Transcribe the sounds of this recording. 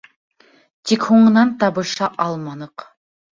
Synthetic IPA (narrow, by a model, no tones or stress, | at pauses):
t̪ʰikhoɴənɑnt̪ɑbɯʃɑʔɑlˠmɑnɤq